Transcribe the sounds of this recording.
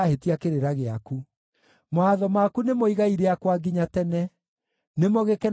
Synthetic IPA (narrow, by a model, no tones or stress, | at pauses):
ahetiakeɾeɾaɣeaku | mwaðɔmakunemoiɣaiɾɛakwaɡiɲatɛnɛ | nemoɣekɛn